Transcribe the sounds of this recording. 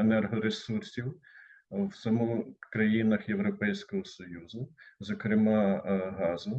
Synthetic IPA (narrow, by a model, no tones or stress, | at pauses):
enɛrɦɔɾesursʲiw | wsɐmukɾɐjinɐxjewɾɔpɛjsʲkɔɦɔsɔjuzʊzɔkɾɪmɑɦɑzʊ